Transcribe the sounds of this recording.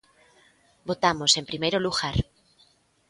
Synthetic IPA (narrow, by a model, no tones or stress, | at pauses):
bot̪amosẽmpɾimejɾoluɣaɾ